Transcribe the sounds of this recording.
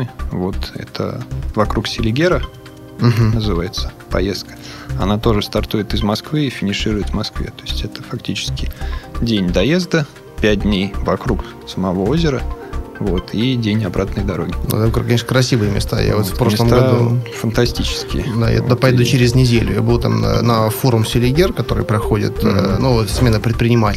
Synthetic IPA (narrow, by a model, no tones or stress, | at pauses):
vo̞t̪ɛ̰t̪ʰə̰vɐkɾuksʲɪlʲɪɡʲeɾə | ɦnəzɨvajɪt̪sə̥pɐ̰jest̪̚kə̥ɐnat̪o̞ʐɨst̪ɐrt̪ujɪt̪ɨzmɐskvɨɪfʲɪnʲɪʂɨɾʊjɪt̪vmɐskvʲḛt̪o̞ɪsʲtʲɛt̪ə̥fɐktʲit͡ɕɪ̥skʲɪdʲenʲd̪ɐje̞zd̪ə | pʲæt̚ʲdʲnʲejvɐkɾuk | səmɐvoozʲɪɾəvo̞t̪ʰidʲenʲɐbɾat̪nəjd̪ɐɾo̞ɡʲɪnṵɛt̪kɾkːɐnʲeʂnəkɾɐsʲivɨjɪmʲɪ̰st̪a̰ja̰vot̪fpɾo̞ʂlˠəmɡɐd̪ufənt̪ɐsʲtʲit͡ɕɪ̥skʲɪ̰d̪a̰ja̰t̪ʊd̪apɐjed̪ʊt͡ɕeɾʲɪznʲɪdʲelʲʊ̰ja̰bɨðut̪am̰nɐfoɾʊmsʲɪlʲɪɡʲerkɐt̪o̞ɾɨ̰jpɾɐxo̞dʲɪ̰t̪ːnusmʲe̞nəpɾʲɪt̪̚pɾʲɪnʲɪmaɪ